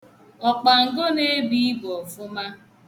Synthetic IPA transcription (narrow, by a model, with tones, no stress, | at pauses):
ɔ˨k͡pa˨ŋ̩˨ɡo˦ne˦bi˦bɔ˨fʊ˦ma˦